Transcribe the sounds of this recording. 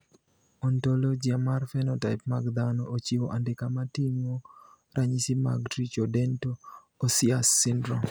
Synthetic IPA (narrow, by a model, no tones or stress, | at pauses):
ɔntolod͡ʒiamarfɛnɔtaɪp̚maɡd̪anɔʔot͡ʃioʔandɪkamatimo | ɾʔaɲisima̰ɡtɾit͡ʃodɛnto | osɪasːɪndɾo